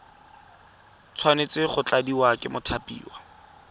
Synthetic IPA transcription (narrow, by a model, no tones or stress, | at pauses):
t͡sʰwanet͡sɪχʊt͡ɬadiwakɪmʊtʰapʼḭːwa